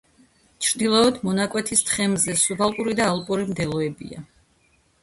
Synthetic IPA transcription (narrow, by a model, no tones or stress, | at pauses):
t͡ʃʰɾd̪ilˠɔːd̪mɔnakʼwɛt̪ʰist̪ʰχɛmzɛsubʰalˠpʼuɾid̪aːlˠpʼuɾimd̪ɛlˠɔɛbḭa̰